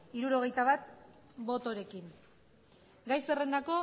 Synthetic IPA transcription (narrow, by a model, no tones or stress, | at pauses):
iɾuɾo̞ɣ̞e̞jt̪aβat̪ | bo̞t̪o̞ɾe̞kiŋ | ɡajse̞re̞nd̪ako̞